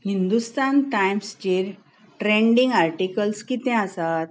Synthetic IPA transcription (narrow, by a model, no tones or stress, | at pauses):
hind̪ust̪anʈajmst͡ɕiɾ | ʈɾẽɳɖĩŋɡaɾʈikəlskit̪ɛ̃asat̪̚